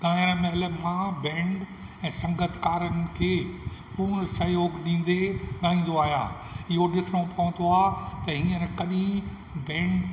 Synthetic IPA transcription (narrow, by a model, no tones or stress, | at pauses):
ɡãːɾmɐɦɪləmãbɛ̃ːɳɖ | ɛ̃ːsɐ̃ŋɡət̪ʰkaːɾənɪ̆kʰeːpuːnsɐjoːɡɗĩːn̆d̪eɠaːĩːn̆d̪oaːɦija̰ː | ɪɦoɗɪsnopɐʋə̃nd̪oaːt̪ɐɦĩːə̃ɾkɐɗĩ | bɛ̃ːɳɖ